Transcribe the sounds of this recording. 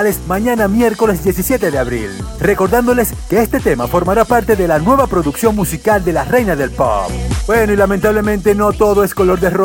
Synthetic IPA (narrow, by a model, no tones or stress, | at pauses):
lesmãɲanamje̞ɾko̞le̞sd̪je̞sisje̞t̪e̞ðeaβɾḭl | re̞ko̞ɾðand̪o̞le̞ske̞est̪e̞t̪e̞mafo̞ɾmaɾapaɾt̪e̞ðe̞lanwe̞βapɾo̞ðuksjo̞nmusikald̪e̞lare̞jnaðe̞lpo̰pbwenoilament̪aβle̞mẽnt̪e̞no̞t̪oðo̞esko̞lo̞ɾðero